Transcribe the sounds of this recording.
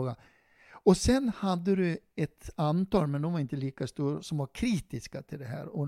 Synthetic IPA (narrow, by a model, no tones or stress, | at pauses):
ɡa | ɔsɛnhad̪ːəd̪ʉɛt̪ant̪ɑːlmɛnd̪ɔʋɑɾɪnt̪əliːkast̪uːɾsɔmʋɑɾkʰɾiːt̪ɪskat̪ʰɪld̪ɛɦæ̰ːɾɔ